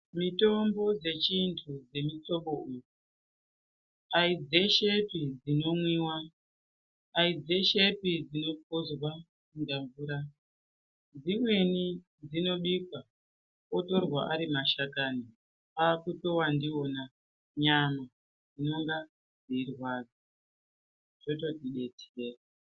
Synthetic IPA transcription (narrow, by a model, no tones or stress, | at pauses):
mito̞mbo̞d͡ze̞t͡ʃintʰud͡ze̞mit͡so̞ɓo̞uːju | aid͡ze̞ʃe̞pid͡zino̞mwiːwa | id͡ze̞ʃe̞pid͡zino̞pʰozwa | undaɱvuːɾa | d͡zimwe̞ni | d͡zino̞ɗikwa | oto̞rwaʔaɾimaʃakaːni | akuto̞wandio̞na | ɲama | d͡zino̞ŋɡa | d͡ziirwaːd͡zo | ʐ̥oto̞tiɗe̞tʰi̥eːa